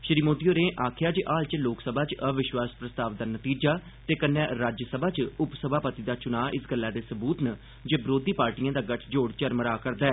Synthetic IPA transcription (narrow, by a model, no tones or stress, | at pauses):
ʃɾiːmoːd̪ijoːɾẽːʔaːkʰjaːt͡ʃʔaːlt͡ʃloːksəbʱaːt͡ʃəʋɪʃwaːspɾəst̪aːʋd̪aːnət̪iːd͡ʒaː | t̪eːkənːɛːɾaːd͡ʒəsəbʱaːt͡ʃʊpsəbʱaːpət̪iːd̪aːt͡ʃʊnaːʔɪsɡəlːaːd̪eːsəbuːt̪nə | d͡ʒebɾoːd̪iːpaːɾʈijãːd̪aːɡəʈʰd͡ʒoːɽt͡ʃəɾməɾaːkəɾd̪aːɛː